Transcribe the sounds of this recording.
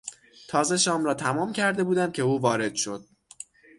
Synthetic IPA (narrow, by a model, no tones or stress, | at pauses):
t̪ʰɒːze̞ʃɒːmɾɒːt̪ʰæmɒːmcʰæɾd̪e̞buːd̪æm̚cʰe̞uːvɒːɾe̞d̪̥ʃo̞d̪̥̚